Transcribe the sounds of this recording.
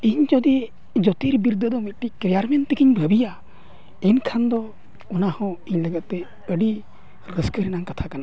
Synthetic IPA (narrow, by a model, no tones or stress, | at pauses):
iɲd͡ʒɔd̪i | d͡ʒɔt̪iɾbiɾd̪əd̪ɔmiʈikɾɛjaɾmɛnt̪ɛkiɲbʱəbija | ɛnkʰand̪ɔ | ɔnahɔ̃iɲləɡat̪̚t̪ɛ | əɖi | ɾəskəɾɛnaŋkat̪ʰakana